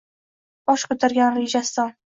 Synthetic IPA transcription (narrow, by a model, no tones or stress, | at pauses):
bɒʃkɵt̪ʰɪɾɡʲanɾed͡ʒast̪an